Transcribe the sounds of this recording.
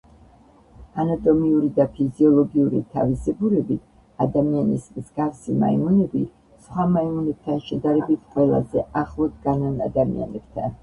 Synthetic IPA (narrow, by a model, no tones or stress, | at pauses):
anat̪ʼɔmiuɾid̪apʰiziɔlˠɔɡiuɾit̪ʰa̰vizɛbuɾɛbi | ad̪amianismzɡafsima̰imunɛbi | sχwamaimunɛb̥̚t̪ʰanʃɛd̪aɾɛbit̪ʰqʼwɛlˠa̰zɛʔaχlˠɔd̪ɡanana̰d̪amḭa̰nɛb̥t̪ʰan